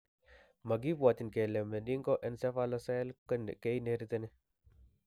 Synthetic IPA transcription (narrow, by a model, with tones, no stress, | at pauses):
mɐ˨ɡi˦pwa˨t̪i˨nke˨le˨me˨ni˦ŋkɔ˦ʔense˦fa˦lɔsa˦lkn˨ke˦ineɾit̪ɐni˦